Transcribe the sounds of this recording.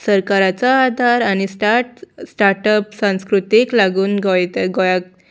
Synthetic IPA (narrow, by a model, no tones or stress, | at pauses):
səɾkaɾat͡saːd̪ʱaɾañisʈaʈsʈaɾʈəpsãw̃skɾut̪iklaɡuːnɡʱɔjt̪əɡɔjak̚